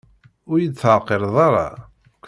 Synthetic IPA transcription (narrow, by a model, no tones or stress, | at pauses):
ʊɾjət͡sːʕqːeɾðˤɑɾˤɑ̰ | kː